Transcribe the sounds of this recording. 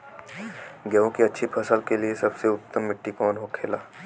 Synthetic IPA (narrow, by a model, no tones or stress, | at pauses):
ɡɛõkiɐtːʃʰipʰɐsəlkeliesɐbseʊpt̪əmːɪʈːikɔːnɦokʰeːlaː